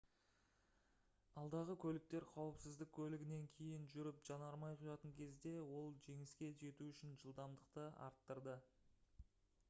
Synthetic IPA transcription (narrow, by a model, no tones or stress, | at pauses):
ɑlˠd̪ɑʁəkʲʰɵlɪk̚t̪e̞ɾqʰɑwəpsɪzd̪ɪk̚ʲkʲʰɵlɪɡʲɪne̞ŋkʲʰe̞jɪnʒʏɾɪpʒ̥ɑnɑɾmɑjqʰʊjɑt̪əŋkʲʰe̞zd̪e̞wo̞lˠʒe̞ŋɪskʲe̞ʒe̞t̪uʏʃɪnʒəlˠd̪ɑmd̪əqt̪əɑ̰ɾt̪ːəɾd̪ə